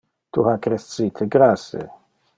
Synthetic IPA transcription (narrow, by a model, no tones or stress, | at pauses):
t̪uhakɾɛsiːt̪ʰeɡɾasḛ